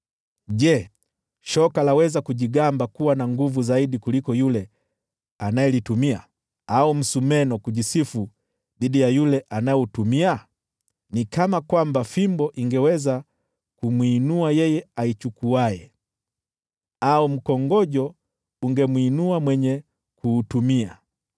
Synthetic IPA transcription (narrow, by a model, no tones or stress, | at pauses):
ʄɛ | ʃɔkalawɛzakuʄiɡambakuwanaŋɡuvuzaiɗikulikɔjulɛ | anajɛlitumia̰ | aum̩sumɛnɔkuʄisifu | ðiɗijajulɛʔanajɔutumia | nikamakwambafimbɔʔiŋɡɛwɛza | kumwiːnuajɛjɛait͡ʃukuajɛ | aum̩kɔŋɡɔʄɔ | uŋɡɛmwːnuamwɛɲɛ | kuːtumia̰